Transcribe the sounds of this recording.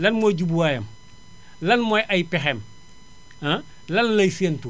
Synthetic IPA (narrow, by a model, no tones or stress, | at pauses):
lɐnmoɟubuwajɐm | lɐnmojʔɐjpexeːm | a | lɐnlɐjsentu